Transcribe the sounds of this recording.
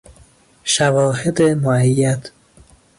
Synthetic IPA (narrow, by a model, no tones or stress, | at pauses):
ʃævɒːhed̪emoæjːæt̪ʰ